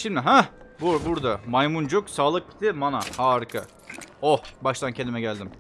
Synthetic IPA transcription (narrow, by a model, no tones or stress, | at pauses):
ʃimd̪ɪɦabubuɾd̪amajmund͡ʒoksaːlˠɯk̚bi̥t̪ʰɪmanahaːɾɯkʰa | ohbaʃt̪ʰancʰenimɛɟælʲd̪im